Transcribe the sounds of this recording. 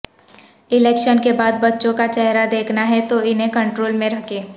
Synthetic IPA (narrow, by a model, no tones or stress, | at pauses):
ɪlɛːkʃənkebaːd̪bɐtːʃõkat͡ʃɛɦɾad̪eːkʰnaɦɛt̪oɪnɦẽkɐ̃ɳʈɾoːlmẽɾɐkʰeː